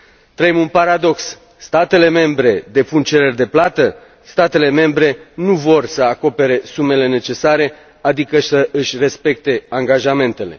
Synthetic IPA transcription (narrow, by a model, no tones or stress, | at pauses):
t̪ɾəemunpaɾad̪o̞ks | st̪at̪e̞le̞me̞mbɾe̞d̪e̞punt͡ʃe̞ɾe̞rʲd̪e̞plat̪ə | st̪at̪e̞le̞me̞mbɾe̞nuvo̞rsəako̞pe̞ɾe̞sume̞le̞ne̞t͡ʃe̞saɾe̞ | ad̪ikəsəʔɨʃʲre̞spe̞k̚t̪e̞aŋɡaʒame̞nt̪e̞le̞̰